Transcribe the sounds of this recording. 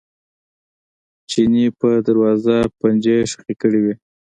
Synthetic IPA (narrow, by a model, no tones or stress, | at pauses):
t͡ʃinipəd̪aɾwɑzapand͡ʒeʃəχikəɽiwi